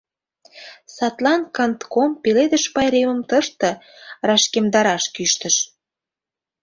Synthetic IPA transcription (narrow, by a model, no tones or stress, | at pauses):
sɑt̪lɑnkɑnt̪kompeled̪əʃpɑjɾemə̆mt̪əʃt̪ə̆ | rɑʃkemd̪ɑɾɑʃkyʃt̪ə̆ʃ